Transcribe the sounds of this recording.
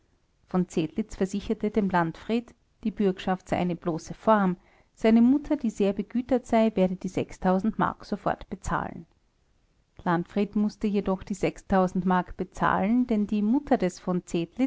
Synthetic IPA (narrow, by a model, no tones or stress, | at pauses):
fɔnt͡seːtlɪt͡sfɛɐzɪçɐtəd̥eːmlantfʁ̥iːt | d̥iːbʏɐkʃaftz̥aɪʔaɪnəb̥loːsəfɔɐm | z̥aɪnəmʊtʰɐdiːzeːɐbəɡyːtɐtz̥aɪveːɐdədiːzɛkstʰaʊzn̩tma̰ɐkz̥ofɔ̰ɐtb̥ət͡sa̰ːln | lantfʁ̥iːtmʊstəjedɔxd̥iːzɛkstʰaʊzn̩tmaɐkb̥ət͡sa̰ːlnd̥ɛndiːmʊtʰɐdɛsfɔnt͡seːtlɪ